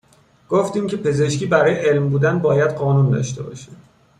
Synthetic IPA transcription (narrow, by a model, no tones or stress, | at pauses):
ɡ̥oft̪iːmcʰe̞pʰe̞ze̞ʃciːbæɾɒːjeʔelmbuːd̪ænbɒːjæd̪ɢɒːnund̪ɒ̰ʃt̪e̞̰bɒ̰ːʃe̥